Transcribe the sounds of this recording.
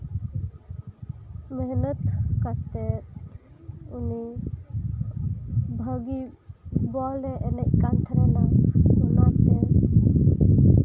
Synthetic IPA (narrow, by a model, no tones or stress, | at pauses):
məɦnət̪kat̪ɛt | uni | bʱəɡibɔlɛʔɛnɛʔ̚kant̪ʰəɾɛnamulɔt̪ɛ